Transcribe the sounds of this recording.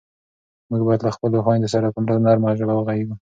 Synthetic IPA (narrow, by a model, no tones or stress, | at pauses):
muɡ̚bɑjad̪laxpəloxwɑnd̪əsaɾakʊmɾaznɑɾmɑʒalawəɣajiwu